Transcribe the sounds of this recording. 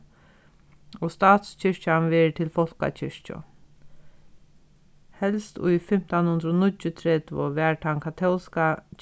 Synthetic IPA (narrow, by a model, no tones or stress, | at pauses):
ɔst̪ɑːt̪st͡ʃʰɪɹcanʋɛɹt̪ʰɪlfɔl̥ka̰t͡ʃʰɪɹt͡ʃʊ̰ | hɛlst̪ʊ̰jfɪm̥t̪anhʊnd̪ɾɔnʊt͡ɕːʊt̪ʰɾɛt̪ʋʊ̰ʋɛːɹʈʰaŋkʰat̪ʰɔlska